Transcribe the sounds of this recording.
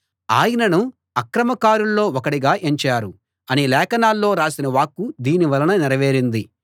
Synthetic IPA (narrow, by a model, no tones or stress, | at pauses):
aːjɐnɐnu | ɐkɾɐmɐkaːɾullo̞ːɔkɐɽiɡaːʔeɲt͡ʃaːɾu | ɐnilɛːkɐnaːlːo̞ːɾaːsinɐʋaːkːud̪iːniʋɐlɐnɐniɾɐʋe̞ːɾind̪i